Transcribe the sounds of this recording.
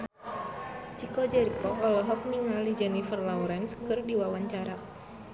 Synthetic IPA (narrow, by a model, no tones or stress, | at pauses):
t͡ʃikɔd͡ʒɛɾikɔʔɔlɔɦɔk̚niŋalid͡ʒɛnifərlauɾɛnskɨrdiwawaɲt͡ʃaɾa